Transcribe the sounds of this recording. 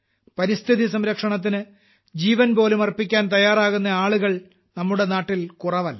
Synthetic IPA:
pɐɾist̪ʰiðisɐmɾɐkʂɐɳɐt̪̬ːinɨ | d͡ʑiːʋɐnbo̞ːlumɐrpikʲːaːnt̪ɐjːaːraːɣunːɐaːɭuɣɐɭ | nɐmːuɽe̞naːʈːilkurɐʋɐlːɐ

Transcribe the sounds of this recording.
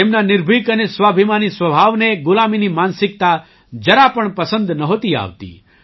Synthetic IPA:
t̪emnanɪɾbʱikənesʋabʱimanisʋəbʱaʋneɡʊlaminimansɪk̚t̪a | d͡ʒəɾapəɳpəsə̃nd̪nəɦot̪ia̰ʋt̪ḭ

